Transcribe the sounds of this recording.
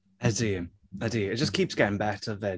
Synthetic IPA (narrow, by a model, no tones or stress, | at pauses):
ədiə | ədijəɪt̚d̥ʒ̥ʌskʰiˑpsɡ̥ɛʔɪ̃ŋbɛtʰəvɛ